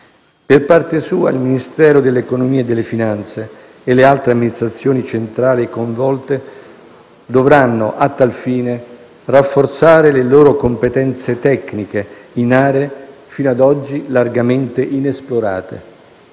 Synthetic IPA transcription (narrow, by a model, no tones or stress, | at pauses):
perpart̪esuːa̰ilminist̪ɛːɾod̪elːeːkonomiːed̪elːefinant̪seː | lealt̪ɾeamːinist̪ɾat̪sːjoːnit͡ʃent̪ɾaːlikoɱvɔlt̪e | d̪ovɾanːoʔat̪ːalfiːne | rafːort̪saːɾeleloːɾokompet̪ɛnt̪set̪ɛkːnikeinaːɾee | fiːnoad̪ɔd͡ʒːilarɡament̪eʔinesploɾa̰ːt̪ḛ